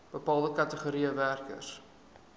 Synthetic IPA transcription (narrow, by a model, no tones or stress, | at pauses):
b̥əpɑːlˠdəkɐtəχoɾiəværkə̰rs